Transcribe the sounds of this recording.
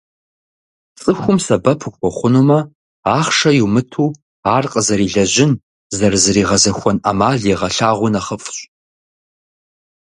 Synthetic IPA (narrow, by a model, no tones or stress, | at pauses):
t͡sʼɨxʷʊmsɐbɐpʰɨxʷɔχʷʊnuːmɐ | aːχʂɐjumɨtʰuː | aːrqʼəzɐɾiːɮɐʑɪn | zɐrzɨɾiːʁɐzɐxʷɔnʔɐ̰maːɮjeʁɐɬaːʁʷʊnɐχəfʼɕʼ